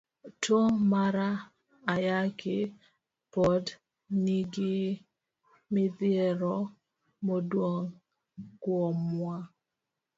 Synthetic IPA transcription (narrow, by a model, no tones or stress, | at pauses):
tomaɾa | ajakɪ | pɔd | niɡɪ | mɪdjɛɾɔ | modwoŋ | kwɔmwa